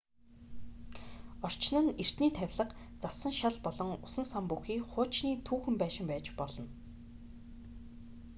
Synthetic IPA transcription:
ɔr̥t͡ɕnə̆nir̥t̪niːt̪ʰæwʲɮə̆qt͡sasə̆ŋʃaɮpɔɮɞ̆ŋʊsə̆nsampuxiːχʊːt͡ɕniːt̪ʰuːxɘ̆mpæːʃɪ̆mpæːt͡ɕpɔɮɞ̆n

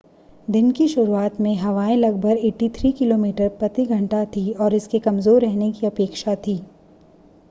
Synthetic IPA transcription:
d̪ɪnkiʃʊɾuaːt̪mẽɦɐʋaːẽlɐɡ̚bʱəɾeːʈːit̪ʰɾiːkɪloːmiːʈəɾpɾɐt̪iɡʱɐ̃ɳʈat̪ʰiɔːɾɪskekɐmzoːɾːɛɦnekiɐpeːkʃat̪ʰiː

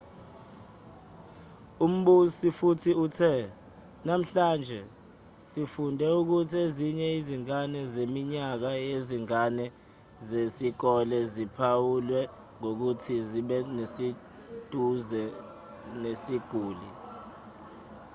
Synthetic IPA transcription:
um̩ɓusifutʰiutʰɛ | nam̩ɬaːnd͡ʒʱɛ | sifundʱɛuk̬utʰieziɲɛiziŋanɛzemiɲak̬ajeziŋanɛ | zesik̬ɔlɛzipʰawulwɛ | ŋok̬utʰiziɓɛnesi | d̥ʱuzɛ | nesiɡ̥ʱuːli

